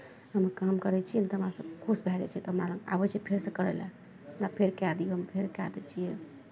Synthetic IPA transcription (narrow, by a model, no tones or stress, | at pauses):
ɦəmkamkəɾɛt͡ʃʰijɛnat̪ɔɦəmɾasəb̚kʰusbʱɛlɛ̰t͡ʃʰɛt̪ɔɦəmɾaləŋa̰bɛt͡ʃʰiɛpʰeɾsẽkəɾɛ̰lɛ | napʰeɾkead̪iɛɦəmpʰeɾkea̰d̪ɛt͡ʃʰijɛ